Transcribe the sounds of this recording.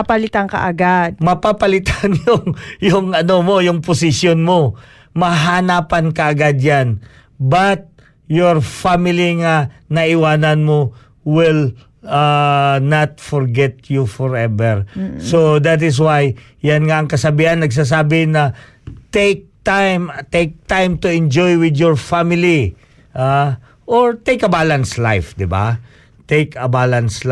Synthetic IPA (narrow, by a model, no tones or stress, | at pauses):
apalɪt̪aŋkɐ̰ʔɐɡad̪̚mɐpapɐlɪt̪anjʊŋjʊŋɐnomo̞jʊŋpʊsɪsjonmo̞ | mɐɦanaːpɐnkɐʔɐɡad̪̚jan | bɐt̪̚ | joɹfamɪliŋɐnɐʔɪwaːnɐnmo | wɪl | anat̪fɔɹɡɛt̪jufɔɹɛbɛɹsod̪at̪̬ɪs̬waj | janŋaɐŋkɐsɐbiːhɐnːɐɡs̬as̬aːbɪnɐ | t̪ek̚t̪ajmt̪ek̚t̪ajmt̪ʊɪ̃nd͡ʒojwɪd̪jɔɹfamɪli | ʔa | ʔoɹt̪ejkɐbalanslajfd̪ɪba̰ | t̪ejkɐbalansl